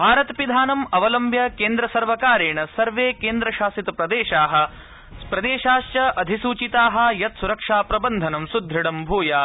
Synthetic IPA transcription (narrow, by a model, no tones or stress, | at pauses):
bʱaːɾɐt̪pid̪ʱaːnɐmɐʋɐlɐmbʱjɐkeːnd̪ɾɐsɐɾʋɐkaːɾeːɳɐsɐɾʋeːkeːnd̪ɾɐʃaːsit̪ɐpɾɐd̪eːʃaːɦɐ̆ | pɾɐd̪eːʃaːʃt͡ʃɐʔɐd̪ʱisuːt͡ʃit̪aːɦɐ̆jɐt̪suɾɐkʂaːpɾɐbɐnd̪ʱɐnɐmsud̪ʱɾɐɽɐmbʱuːjaː